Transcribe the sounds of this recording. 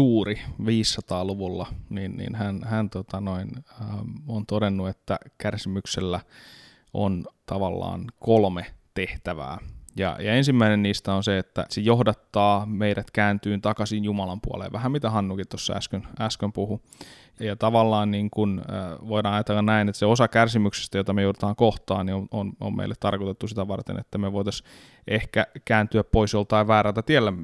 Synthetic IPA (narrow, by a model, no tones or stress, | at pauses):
uːriʋiːsːɑt̪ɑːluʋulːɑninnḭnhænhænt̪ot̪ɑnoinəont̪odenːuet̪ːæ̰kærsimykselːæ | o̰nt̪ɑʋɑlːɑ̰ːnkolmet̪eht̪æʋæ̰ːjɑ̰jɑensimːæinenniːst̪æonseet̪ːæ̰sejohdɑt̪ːɑːmeiɾæt̪kæːnt̪yːnt̪ɑkɑsinjumɑlɑmpuɑ̰lḛːʋæhæmmit̪æhɑnːukit̪t̪osːɑæ̰skønæskømpuhu | jɑt̪ɑʋɑlːɑːnniŋkunːʋoiɾɑːɑjɑt̪elːɑnnæinet̪seosɑkærsimykse̥st̪æjot̪ɑmejoudĕt̪ɑːŋkoht̪ɑ̰ːnnioono̰mmḛilːet̪t̪ɑrkot̪et̪ːusit̪æʋɑrt̪ḛnḛt̪ːæmeʋoit̪ɑs | ʔehkækæːnt̪yæppoisjolt̪ɑiʋæːrælt̪æt̪ielːæ